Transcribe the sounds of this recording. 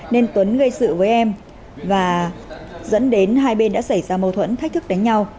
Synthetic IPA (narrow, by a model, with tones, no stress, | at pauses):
ne˧nt̪wə˨˦nɣə˧jsɨ̰˧˨vəː˨˦jʔɛ˧m | vaː˨˩ | zə̰˧˥nɗe˨˦nɦaː˧jɓe˧nɗa̰ː˧˥sa˧˩jzaː˧mə˨˩t̪ʰwə̰˧˥nk̪̚ʰt̪ʰɨ˦˥k̚ɗa˨˦ŋ̟ɲa˧w